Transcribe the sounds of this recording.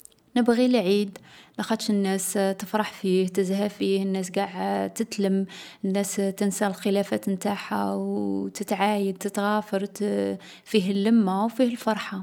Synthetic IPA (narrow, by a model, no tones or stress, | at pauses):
nəbɣilʕid̪nəxɑd̪ˤʃənːæst̪əfɾˤɑħfiht̪əzhæfihənːæs̬ɡaʕt̪ət̪ləmənːæst̪ənsælxəlæfæt̪mt̪aħawwt̪ət̪ʕajəd̪̚t̪ət̪ɣæfɑɾˤ | fiɦəlːəmːawfihəlfɑɾˤħa